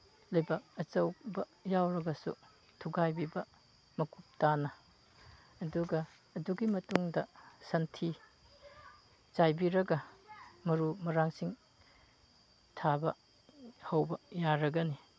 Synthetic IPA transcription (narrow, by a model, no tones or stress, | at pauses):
lɐjbak̚ɐt͡ʃɐwbɐ | jawɾɐɡɐsṵ | tʰuɡajbibɐ | mɐkup̚tanɐː | duɡɐː | duɡimɐtuŋdɐsɐntʰi | t͡ʃajbiɾɐɡɐmɐɾumɐɾaŋsiŋ | tʰabɐ̰ | hɐwbɐjaɾɐɡɐni